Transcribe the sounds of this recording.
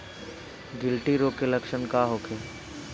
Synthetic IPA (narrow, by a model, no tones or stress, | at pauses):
ɡɪlʈiɾoːkelɐkʃənkaɦoːkʰe